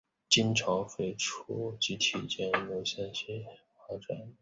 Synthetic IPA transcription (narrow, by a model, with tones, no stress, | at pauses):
t͡ɕi˥nʈ͡ʂʰɑ˧˥ŋfe˥˩ɪʈ͡ʂʰu˥t͡ɕi˧˥t̪ʰi˨˩t͡ɕjɛ˥njo˧˥ʊɕjɛ˥nɕɛ˥ | fa˥ʈ͡ʂa˨˩˦n